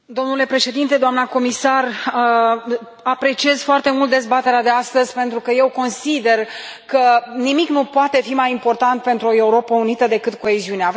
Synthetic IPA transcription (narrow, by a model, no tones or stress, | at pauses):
d̪o̞mnule̞pɾe̞ʃe̞d̪int̪e̞d̪oamnəko̞misar | apɾe̞t͡ʃie̞z̥foart̪e̞mult̪̚d̪ezbat̪e̞ɾead̪e̞ast̪əzʲpe̞nt̪ɾukəje̞wko̞nsid̪e̞rkənimiknupoat̪e̞fimajimpo̞rt̪ant̪̚pe̞nt̪ɾuo̞e̞uɾo̞pəunit̪əd̪e̞kɨt̪̚ko̞eziunea